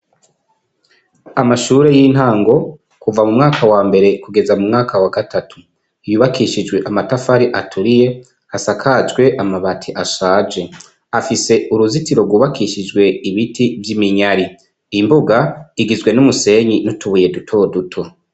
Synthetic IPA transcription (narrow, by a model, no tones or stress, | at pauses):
amaʃuːɾe̞jiːn̥haːŋɡo̞ | kuvamumŋaːkʰawaːmbe̞ɾe̞kuɡe̞zamumŋaːkʰawaɡatatu̥ | juːβakʰiʃid͡ʒwe̞ʔamatafaɾiʔatʰuɾije̞ | hasakʰad͡ʒɡwe̞ʔamaβatʰiʔaʃaːd͡ʒe̞ | afise̞uɾuzitiɾo̞ɡwuːβakʰiʃid͡ʒɡwe̞iβitʰivjimiɲaɾi | imbuɡaiɡizɡwe̞numuse̞ɲinutuβuje̞dutʰo̞ːdutʰo̞